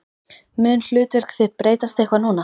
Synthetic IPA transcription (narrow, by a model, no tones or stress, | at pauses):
mʏnl̥ʏːt̪vɛr̥kθɪht̪̚pɾeːjt̪ast̪ehkvaɾnuːna